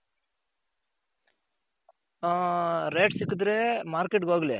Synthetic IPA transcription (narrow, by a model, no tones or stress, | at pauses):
ɾeːʈsikːɯd̪ɾemaːɾkeʈɡoːɡlḛ